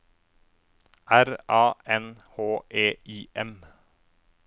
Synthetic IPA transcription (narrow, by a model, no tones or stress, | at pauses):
ʔæɾɑːʔɛnhoːʔeːʔiːʔɛm